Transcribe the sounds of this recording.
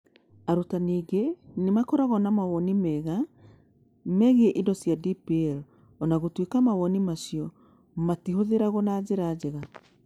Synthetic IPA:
aɾotaniːɡenemakɔɾaɣɔnamawɔnimɛɣa | mɛɣeɛʔindɔsjadipiɛɾ | ɔnaɣotwekamawɔnimasiɔ | matiɦoðeɾaɣɔnad͡ʑeɾaːd͡ʑɛɣa

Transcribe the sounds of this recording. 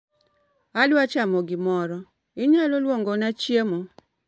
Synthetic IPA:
adwat͡ʃamɔɡɪmɔɾɔ | ɪɲalolwoŋɡonat͡ʃjemo

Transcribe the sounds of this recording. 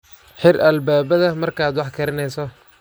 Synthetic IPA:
ħɪrɐlbaːbɐðɐmɐrkʰaːd̪wɑħkʰɐɾɪnɛjsɔ

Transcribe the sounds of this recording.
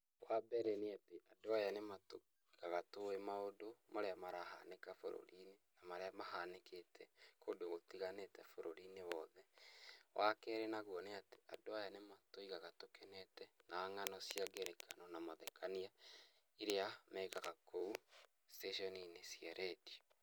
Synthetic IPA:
wʔabɛɾeniateʔadoajanemato | ɣaɣatoemaodomaɾeamaɾaha̰nekafo̰ɾo̰ɾinenamaɾeamaɦanekʰetʰɛkodoɣotiɣanetɛfoɾoɾinewɔðɛwʔakɛɾenaɣwɔneate̥a̰doajanematoiɣaɣatokɛnɛtɛnaːŋanɔsjaɡeɾekʰa̰nɔnamaðɛkʰania | iɾeamɛːkaɣakou | steʃɔninesiɛɾɛdi̥

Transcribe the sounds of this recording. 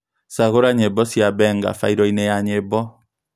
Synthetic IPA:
saɣoɾaɲebɔsiabɛŋɡa̰faiɾɔinɛjaɲebɔ

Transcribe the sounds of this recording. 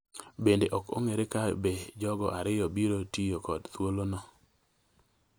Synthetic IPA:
bendeʔɔko̰ŋeɾekabed͡ʒɔɡɔ̰ʔaɾɪjɔbiɾotijokɔdt̪wolonɔ

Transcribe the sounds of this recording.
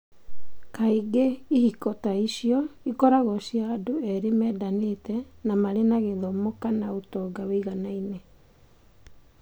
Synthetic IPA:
kaiɡeihikɔtaiɕjɔikɔɾaɣɔɕiaːdoɛɾemɛːdanetɛnamaɾenaɣeðɔmokanaotɔɡaweiɣanaine

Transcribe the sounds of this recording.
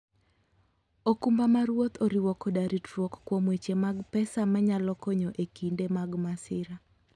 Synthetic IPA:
okumbamaɾwot̪ʰoɾiwɔkɔdaɾitɾwɔkkwomwet͡ʃemaɡpɛsamaɲalɔkɔɲɔʔekindemaɡmasɪɾa

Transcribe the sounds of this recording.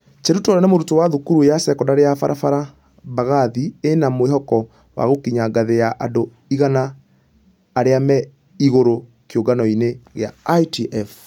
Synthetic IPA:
t͡ʃeɾutɔɾanemoɾutowaðukuɾujasɛkɔndaɾeafaɾafaɾa | baɣaðienamweɦɔkɔ | wa̰ɣokiɲaɡaðejaʔa̰do | iɣanaː | ɾeamɛ | iɣoɾo | kjoɡanɔineɣea̰atiʔɛf

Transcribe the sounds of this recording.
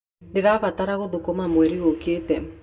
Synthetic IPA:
ndɪɾafataɾaɣoðokomamwɛɾiɣoketɛ

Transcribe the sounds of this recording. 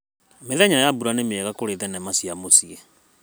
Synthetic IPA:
meðɛɲajabuɾanemeɛɣakoɾeðɛnɛmasiamosiɛ

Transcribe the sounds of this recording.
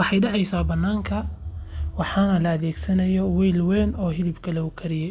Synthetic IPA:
wɑħɑjɖɑʕɑjsaːbɐnːaːŋkʰɐ | wɑħɑːnɐlɐːðɛːɡsɐnɐjɔwɛjlwɛːnɔːɦɪlɪbkʰɐlɐʊkʰɐɾɪjɛ

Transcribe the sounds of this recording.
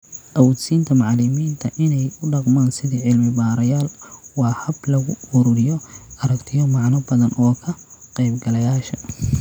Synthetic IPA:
ʔɐwuːd̪siːnt̪ʰɐmɑʕlɪmiːnt̪ʰɐʔɪnɛjʊɖɑqmaːnsɪðiːʕɪlmɪbaːɾɐjaːlwɑːhɐblɐɣʊʊɾʊɾɪjɔʔɐɾɐkt̪ʰɪjɔmɑʕnɐbɐðɐnʔɔːkʰɐqɛjbɡɐlɐjaːʃɐ

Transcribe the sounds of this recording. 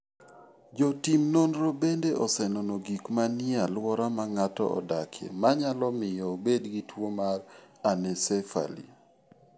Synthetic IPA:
d͡ʒotimnonɾobendeʔɔsɛnonoɡikmanɪalwɔɾamaŋatɔ̰ɔ̰dakʰjḛmaɲalɔmɪjɔbedɡitwomaranɛsɛfa̰lḭ

